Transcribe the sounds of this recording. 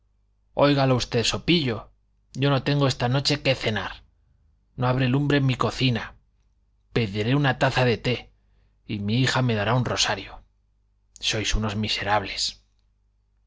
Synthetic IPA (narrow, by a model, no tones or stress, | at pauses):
o̞jɣaloust̪e̞ðso̞piʎo̞ | ɟ͡ʝo̞no̞t̪e̞ŋɡo̞e̞st̪ano̞t͡ʃe̞ke̞θe̞naɾ | no̞aβ̞ɾe̞lumbɾe̞mːiko̞θina | peðiɾe̞unat̪aθaðe̞t̪e̞ | imiixame̞ðaɾaunro̞saɾjo | so̞jsuno̞zmise̞ɾaβle̞s